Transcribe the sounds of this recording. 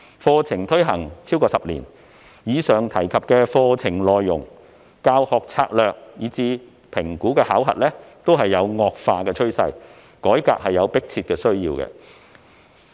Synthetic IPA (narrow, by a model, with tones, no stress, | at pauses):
fɔː˧t͡sʰɪ˨˩ŋt̪ʰɵ˥ɥɦɐ̰˨˩ŋt͡sʰiː˥wkɔː˧sɐ˨p̚lḭː˨˩n | jiː˨˧sœː˨˩ŋt̪ʰɐ˨˩jkʰɐ˨p̚kɛː˧fɔː˧t͡sʰɪ˨˩ŋlɔː˨jːʊ˨˩ŋ | kaː˧whɔː˨k̚t͡sʰa̰ː˧k̚lœː˨k̚jiː˨˧t͡siː˧ | pʰɪ˨˩ŋkuː˨˥kɛː˧haː˨˥wɦɐ̰˨t̚lɛː˥t̪o˥wɦɐ˨jːɐ˨˧wŋɔː˨˧k̚faː˧kɛː˧t͡ʃʰɵ˥ɥsɐ̰˧j | kɔː˨˥jka̰ː˧˨k̚hɐ˨jːjɐ˨˧wpɪ˥k̚t͡sʰiː˧t̚kɛː˧sɵ˥ɥjiː˧wkɛ̰ː˧